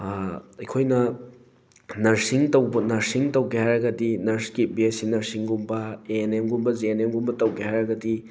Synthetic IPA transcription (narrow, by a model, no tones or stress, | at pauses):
ɐjkʰojnɐ | nɐɾsiŋtɐwbɐnɐɾsiŋtɐwɡehajɾɐɡɐdinɐɾskit̚biesinɐɾsiŋɡumbɐenemɡumbɐzenemɡumbɐtɐwɡehajɾɐɡɐdi